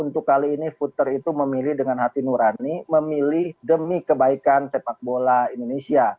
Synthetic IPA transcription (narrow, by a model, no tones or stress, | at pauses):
unt̪ʊkːaliːnifut̪ərit̪uməmilɪhdəŋanɦat̪inuɾaniməmilɪhdəmikəbaikansepak̚bolaindonesia